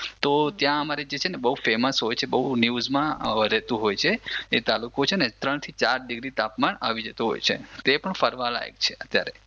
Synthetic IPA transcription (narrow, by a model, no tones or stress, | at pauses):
t̪ot̪jãəmaɾid͡ʒet͡ʃʰenebəɦufeməsɦojt͡ʃʰebəɦunjuzmãəɾʱet̪ũɦojt͡ʃʰeet̪alukot͡ʃʰenet̪ɾəɳt̪ʰit͡ʃaɾɖiɡɾit̪apmanaʋid͡ʒet̪ũɦo̰jt͡ʃʰḛt̪epəɳfəɾʋala̰ḛɡ̚t͡ʃʰe̥ət̪jaɾḛ